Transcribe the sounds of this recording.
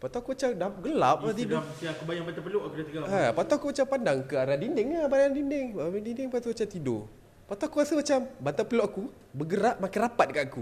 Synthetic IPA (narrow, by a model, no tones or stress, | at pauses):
pat̪uakumat͡ʃamdaɡəlap̚t̪idiakubajaŋbant̪apəloʔakudat̪iɡaapat̪oakumat͡ʃampandaŋkəaɾadindɪŋabadaŋdinɪŋaadinɪŋpat̪umat͡ʃamt̪ido̰ | pat̪oakuasəmat͡ʃambant̪apəloʔaku | bəɡəɾaʔmakarapat̪̚dəkat̪aku